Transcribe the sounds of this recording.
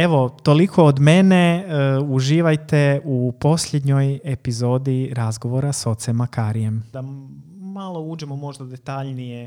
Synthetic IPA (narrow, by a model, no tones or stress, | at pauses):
eʋo̞t̪o̞likʰo̞ːd̪me̞ne̞uʒiːʋajt̪e̞upo̞sʎʲe̞d̪ɲo̞jepizo̞ːd̪iɾazɡo̞ʋo̞ɾaso̞t̪semakaːɾije̞md̪amalˠo̞uːd͡ʒemo̞mo̞ʒd̪ad̪e̞t̪aʎnije